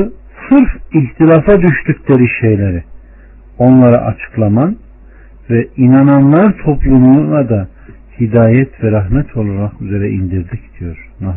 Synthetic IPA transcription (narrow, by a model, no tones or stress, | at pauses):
sɯɾfiçt̪ʰilʲafad̪yʃt̪ycʲlʲeɾiʃe̞jlʲeɾi | o̞nlˠaɾa̰ʔa̰t͡ʃʰɯ̥klˠaman | vɛinananlˠaɾt̪ʰo̞plˠumulˠad̪a | hid̪aːjɛt̪ʰvɛɾaɦmɛt̪ʰo̞lˠaɾakyzeɾɛʔind̪iɾd̪icd̪̥ijo̞ɾna